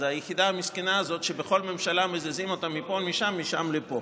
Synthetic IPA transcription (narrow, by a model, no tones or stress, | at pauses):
ajeχid̪aamiskenaːzo̞t̪ʃebeχo̞lme̞mʃalamezezimo̞t̪amːipo̞miʃamːiʃamlepo̞